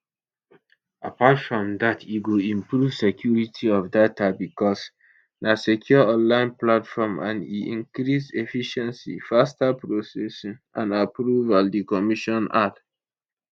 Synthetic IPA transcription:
apatfɹɔ̃mdatʰiwuĩmpɹuv̥sekʰjuɹitʰiɔfdatabikɔs | nasekʰjɔɔ̃nlãɪ̃nplatfɔmã̰nḭḭ̃ŋkɾisefiʃɛ̃nsḭfastapɹosɛsĩnʔã̰napɹuvaldikɔmiʃɔ̃na̰d

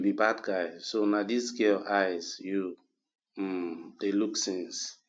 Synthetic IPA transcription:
bibadɡaɪsonadisɡelaɪzju | d̥eluksĩns

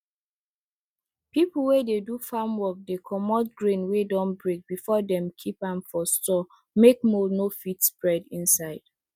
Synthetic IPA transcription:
pipl̩ˠwededufamwɔk̚dekʰɔmɔtɡɹẽnwedɔ̃nbɹek̚bifɔdɛ̃mkʰipãnfɔstɔ | mek̚monofitspɹɛdĩnsaɪd̥

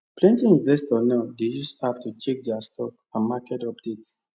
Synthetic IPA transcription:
plɛ̃ntĩĩnvɛstɔnaʊdejusaptut͡ʃɛk̚dɛastʰɔk̚ | ãnmakɛtɔpdet

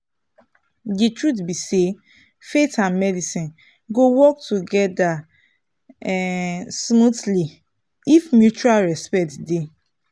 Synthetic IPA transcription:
ditɹutbise | fetãnmɛdisĩn | ɡowɔk̚tuɡɛda | smutli | ifmjut͡ʃualɹɛspɛtde

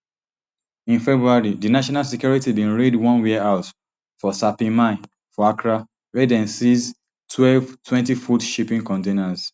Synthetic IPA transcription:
ĩnfɛbɹuaɹidinaʃɔnalsɛkjuɹitibĩnɹedwɔ̃nwiaʊt | fɔsapĩmãɪ | fɔakɹa | ɹɛdɛ̃nsiz | tʰwɛlvtʰwɛ̃ntifudʃipĩŋkɔ̃ntenaz̥

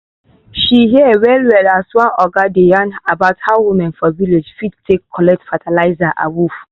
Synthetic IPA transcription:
ʃiɦiwɛlwɛlaswãnɔɡadejãnabaʊthawumɛ̃nfɔviled͡ʒfid̚tʰekʰːɔlɛk̚tfatʰalaɪzaʔa̰wuf

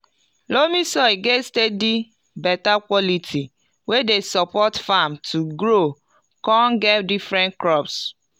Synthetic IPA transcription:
lomisɔɡestedi | bɛtakʷɔlitʰi | wedesɔpɔtfamtʰuɡɾo | kɔ̃nɡɛtdifɾɛ̃nkɾɔps

